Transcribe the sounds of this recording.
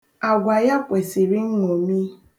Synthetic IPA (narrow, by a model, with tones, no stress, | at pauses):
a˨ɡʷa˨ja˦kʷe˨si˨ɾi˦ŋ̩˦ŋɔ˨mi˦